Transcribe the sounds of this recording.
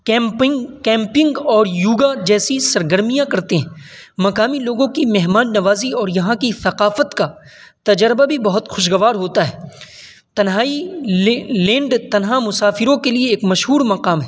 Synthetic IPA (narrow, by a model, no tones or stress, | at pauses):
kɛ̃ːmpɪkɛ̃ːmpɪ̃ŋɡɔːɾjuːɡad͡ʒɛːsisɐɾɡəɾmijãkɐɾt̪eɦɛ̃ːmɐqaːmiloːɡõkimɛɦmaːnːɐʋaːziɔːɾjɐɦãkiθɐqaːfət̪ka | t̪ɐd͡ʒəɾbabʱibɐɦʊt̪xʊʃɡɐʋaːɾɦoːt̪aɦɛː | t̪ɐnɦaːi | lẽːɳɖt̪ɐnɦamʊsaːfɪɾõkelieːkmɐʃɦuːɾmɐqaːmɦɛː